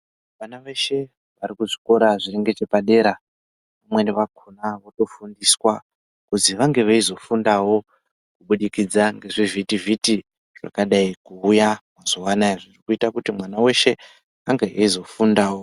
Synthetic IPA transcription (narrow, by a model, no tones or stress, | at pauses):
ʋanaʋe̞ʃe̞ | ʋaɾikuʐi̥ko̞ɾaʐireŋɡe̞t͡ʃe̞paɗe̞ɾa | pamwe̞neʋakʰunaʋoto̞fundiswa | kuziʋaŋɡe̞ʋeizo̞fundawo̞ | kuɓuɗikid͡zaŋɡe̞ʐivitiviti | ʐ̥a̰kaɗaikuːjamwaz̥owanaiʐirikuitakutimwanawe̞ʃe̞ | aŋɡeʔeizo̞fundawo̞